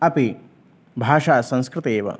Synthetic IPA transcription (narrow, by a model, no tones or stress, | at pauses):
ɐpi | bʱaːʂaːsɐ̃nskɾɪt̪eːʋɐ̰